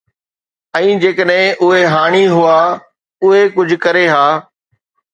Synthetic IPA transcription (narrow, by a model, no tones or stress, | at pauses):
ɛ̃ːd͡ʑeːkəɗɦɪ̃ʔʊɦeɦaːɽ̃iɦʊaː | ʊɦekʊd͡ʑʱkɐɾeɦaː